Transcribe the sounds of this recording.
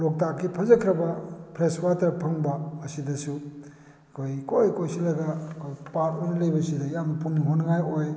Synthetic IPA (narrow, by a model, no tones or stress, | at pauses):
lok̚takːipʰɐzɐkʰɾɐbɐpʰɾeswatɐɾpʰɐŋbɐːsidɐsu | kʰojkʰojkojsilɐɡɐkʰojpatojnɐlɐjbɐsidɐjamɐpuniɦonɐŋajoj